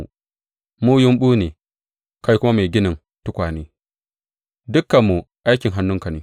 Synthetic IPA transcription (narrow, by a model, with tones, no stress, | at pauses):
muː˦jʊ˦mɓuː˦neː˨ | ka˦jkʷʊ˦ma˦ma˨ɡʲɪ˦nɪ˨n | tʊ˦kʷaː˨neː˦ | dʊ˦kːɐ˨mːu˨ | ʔa˦jkʲɪ˨ŋɦa˨nːʊ˦ŋka˨neː˨˦